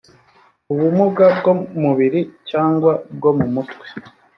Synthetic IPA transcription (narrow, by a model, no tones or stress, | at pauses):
uβumuɡab̚ɡomuβiɾicaːŋɡwab̚ɡo̞mumutwe̥